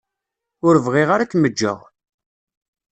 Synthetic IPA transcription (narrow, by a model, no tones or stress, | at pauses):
ʊɾvʁiʁaɾækːməd͡ʒːə̰ʁ